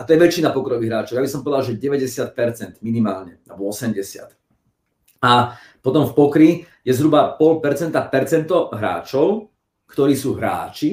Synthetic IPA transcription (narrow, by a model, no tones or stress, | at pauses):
at̪ɔjɛʋɛt͡ʃːinapɔkɾɔʋiɦɾaːt͡ʃɔʊjabisɔmpɔʋɛd̪alʒɛɟɛʋɛɟɛsɪat̪̚pɛɾt͡sɛnd̪minimaːlɲɛabɔɔsɛmɟɛsɪa̰t̪ | a | pɔt̪ɔmfpɔkɾi | jɛzɦɾubapɔlpɛɾt͡sɛnt̪apɛɾt͡sɛnt̪ɔɦɾa̰ːt͡ʃɔʊ | kt̪ɔɾiːsuːɦɾa̰ːt͡ʃi